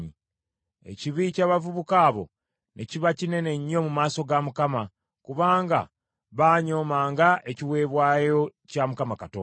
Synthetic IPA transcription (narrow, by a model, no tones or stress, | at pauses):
i | e̞̰ciβicaːβavuβukaːβo̞̰ | ne̞ciβacine̞ne̞ɲːo̞mumaːso̞ɡamukama | kuβaːŋɡa̰ | βaːɲo̞ːmaːŋɡaʔe̞ciwe̞ːβwaːjo̞camukamakatoː